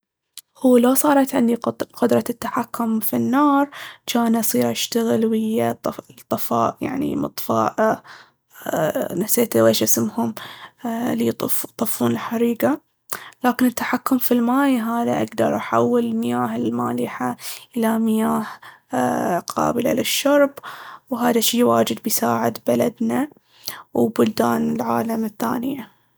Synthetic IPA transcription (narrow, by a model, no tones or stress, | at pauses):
huːlosˤɑːɾˤɑt̪ʕɪnd̪iqʊd̪ɾˤɑt̪ːaħakːʊmfinːɑːɾˤt͡ʃaːnʔɑsˤiːɾʔaʃt̪aɣɪlwɪjːat̪ˤːɑfɑ̰ːʔja̰ʕnḭmɨ̰t̪ˤfɑ̰ːʔ | naseːt̪weːʃʔasɪmhʊm | lit̪ˤft̪ˤɑfːuːnɪlħaɾiːɡa | laːkɪnɪt̪ːaħakːʊmfilmaːjɦaːðaʔaɡd̪ɑɾˤʔaħa̰wːɪlɪlmɪjaːɦɪlmaːlɪħaʔɪlamɪjaːh | qʰɑ̰ːbɪla̰lɪʃːɑɾˤbwɦaːðaʃiːwaːd͡ʒɪd̪bɪjsaːʕɪd̪balad̪na | wbʊld̪aːnɪlʕaːlamɪθːaːnɪja